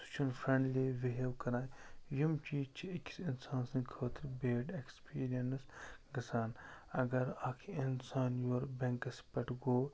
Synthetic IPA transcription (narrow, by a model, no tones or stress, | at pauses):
su̥t͡ʃʰunfʰɾɐ̃ɳɖliːʋiɦewkɐɾãːjjimt͡ʃiːt͡ʃʰiɪkʰʲsɪnsãːnsɨ̃nkʰəːt̪iɾbeːɖekspiːɾijɐnsɡɐsaːn | ɐɡɐɾɐkʰinsaːnjoːɾbɛ̃ŋkɐspɐʈɡoː